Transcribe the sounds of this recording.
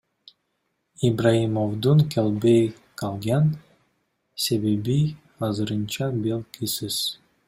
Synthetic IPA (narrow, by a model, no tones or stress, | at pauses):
ibraimovd̪uŋkʰelʲbej | kɑlˠɡɑn | sebebi | ɑzɯɾɯnt͡ʃɑbelʲˠkʰisiz̥